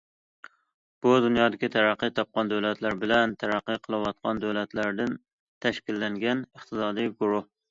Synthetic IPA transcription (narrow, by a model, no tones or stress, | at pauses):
b̥ud̪unjɑːd̪ɪkʲit̪ʰæɾæqːɨt̪ʰɒp̚qʰɑnd̪æwlɛt̪læɾbɪlænt̪ʰæɾæqːɨqʰəlˠɨwɑt̪̚qʰɑnd̪æwlɛt̪læɾd̪ɪn | t̪ʰæʃkʲilːæŋɡʲɛnəχt̪ɨsɑːd̪ɨjɡuɾʊh